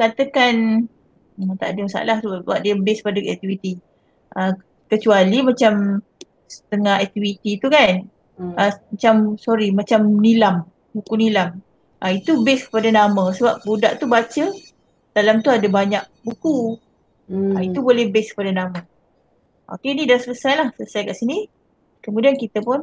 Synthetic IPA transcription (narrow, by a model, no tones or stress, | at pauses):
kat̪əkan | ət̪a̰dəmasa̰lahsəawa̰ʔdiabɪskpadəɛ̰k̚t̪ifit̪i | ʔə | kət͡ʃualimat͡ʃam | sə̥t̪əŋahɛk̚t̪ifit̪it̪ukan | əmat͡ʃamsoɾimat͡ʃamnilam | bukunilam | ʔəit̪ubɪskə̥padanamə̃səbap̚budaʔt̪ubat͡ʃə | d̥alamt̪uadabaɲak̚buku | ait̪ubolɛhbɛskə̥padanamə | ʔo̰kenidasələsajlahsələsajkaʔsini | kəmudiankit̪əpʊn